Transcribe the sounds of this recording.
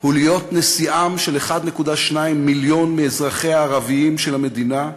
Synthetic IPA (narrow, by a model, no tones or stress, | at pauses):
hulijo̞tne̞siʔamʃeleχad̪ne̞kudaʃnaimːiljo̞nmeːzʁaχe̞aːʁaviimʃelhame̞d̪ina